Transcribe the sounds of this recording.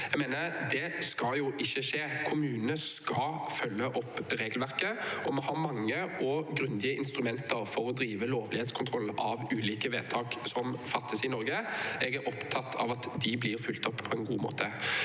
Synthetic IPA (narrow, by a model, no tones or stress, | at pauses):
jɛɡmeːnəɾd̪ɛskɑljʊʔɪçːəʂeːkʰʊmʉːnəskɑfœlːəʔɔpːɾeːɡlʋæʁkəɔmɛhɑɾmɑŋːəɔɡɾʉnd̪ɪəɪnst̪ɾʉmɛnt̪əɾfɔɾɔd̪ɾiːʋəloːʋlɪheːt̪skʰʊnt̪ʰɾɔlʔɑʋʉːliːkəʋeːt̪ʰɑːksɔmfɑt̪ːəsɪnɔɾɡəɛɡæɾʔɔpt̪ʰɑt̪ʰːɑ̰ʋɑt̪d̪ɪblɪɾfʉlt̪ɔpːʰɔɛnɡṵːmo̰ːt̪ʰə